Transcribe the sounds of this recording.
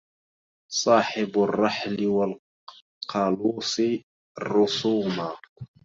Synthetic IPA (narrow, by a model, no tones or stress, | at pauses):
sˤɑːħɪbʊrˤːɑħlɪwal | qʰɑluːsi | ɾʊsuːma